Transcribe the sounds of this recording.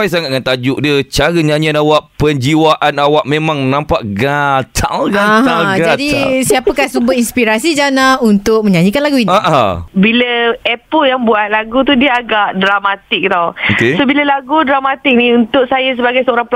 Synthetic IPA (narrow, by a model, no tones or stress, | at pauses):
ajsaŋat̪̚ŋant̪ad͡ʒʊk̚diət͡ʃaɾəɲaɲianawaʔpəɲd͡ʒiwaʔanawaʔ̚mẽmãŋnãmpaʔɡat̪ʰa̰lɡaɦalɡd͡ʒadisiapəkahsubətinspiɾasid͡ʒanaunt̪ʊk̚məɲaɲikanlaɡuinaʔabiləɛpəljaŋbuat̪̚laɡut̪udiəaɡaʔdɾamat̪ɪk̚t̪awokesobiləlaɡudɾamat̪ɪk̚niunt̪ʊʔsajəs̬əbaɡajsəoɾaŋp